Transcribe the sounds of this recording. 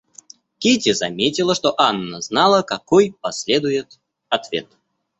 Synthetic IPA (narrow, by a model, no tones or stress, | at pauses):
kʲetʲɪzɐmʲetʲɪlˠəʂt̪oʔanːəznalˠəkɐkojpɐsʲlʲe̞d̪ʊjɪt̪ | ɐt̪vʲe̞̰t̪